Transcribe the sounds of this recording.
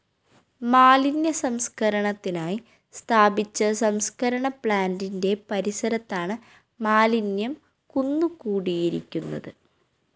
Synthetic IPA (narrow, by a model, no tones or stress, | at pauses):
maːlinjɐsɐmskʰɐɾɐɳɐt̪ːinaːji | st̪ʰaːbit͡ɕːɐsɐmskɐɾɐɳɐpɭaːndinde̞pɐɾisɐɾɐt̪ːaːɳɨ | maːlinjɐm | kunːukuːɽijiɾḭkʲːunːɐ̰ðɨ